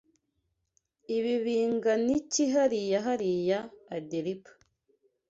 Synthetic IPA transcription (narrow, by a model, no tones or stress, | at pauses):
iβiβiːŋɡaniciɦaɾijaɦaɾijaːdeɾipḁ